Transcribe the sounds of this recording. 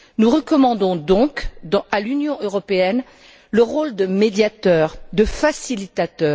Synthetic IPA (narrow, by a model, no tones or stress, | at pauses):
nuʁəkɔmɑ̃d̪ɔ̃d̪ɔ̃kd̪ɑ̃alynjɔ̃ʔøʁɔpeɛn | ləʁold̪əmed̪jat̪œːʁd̪əfasilit̪at̪œːʁ